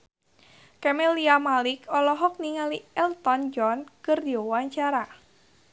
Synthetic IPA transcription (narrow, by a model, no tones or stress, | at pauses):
kɛmeliamalɪkʰɔlɔɦɔk̚niŋaliɛlt̪ɔnd͡ʒɔnkərdjɔwaɲt͡ʃaɾa